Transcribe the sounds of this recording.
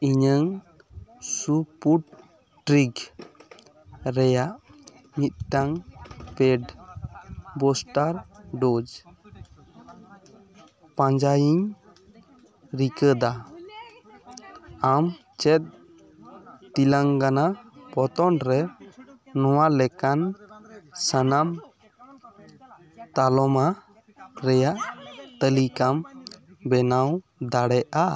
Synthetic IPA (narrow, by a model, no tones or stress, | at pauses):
iɲəŋ | supuʈ̚ | ʈɾiɡ | ɾɛjaʔ | mit̪̚ʈaŋpɛɖ | bɔsʈaɾɖod͡ʒ | pãɲd͡ʒajiɲ | ɾikəd̪a | am | t͡ʃɛt̪̚ | t̪ilaŋkanapɔt̪ɔnɾɛː | ɔwalɛkan | sanam | t̪alɔma | ɾɛjaʔt̪əlikambɛnaw | d̪aɽɛʔa